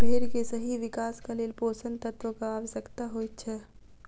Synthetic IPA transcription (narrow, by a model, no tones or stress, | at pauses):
bʱeːɾkesɐɦiʋɪkaːskaleːlpoːsə̃nt̪ət̪wəkaaːʋəʃjəkt̪aɦoːitt͡ʃʰɛː